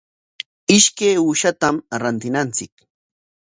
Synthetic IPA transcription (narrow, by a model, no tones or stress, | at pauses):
ɪʃkejʊʃat̪amɾant̪ɪnant͡sɪk